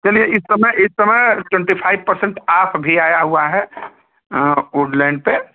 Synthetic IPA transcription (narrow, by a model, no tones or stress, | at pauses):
t͡ʃɐlieɪsːɐməʔɪsːɐməjʈwɛ̃ɳʈipʰaːɪbpɐɾsə̃ɳʈaːpʰbʱiaːjaɦuaɦɛ | oːɖlɛ̃ːɳɖ̚pe